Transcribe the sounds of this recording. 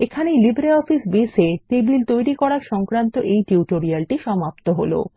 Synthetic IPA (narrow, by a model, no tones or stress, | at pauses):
ekʰanejlibɾeɔfisbeseʈ̪ebilt̪ojɾikɔɽaɾʃɔŋkɾant̪oʔejʈiuʈoɾialʈiʃɔmapt̪oɦolo̰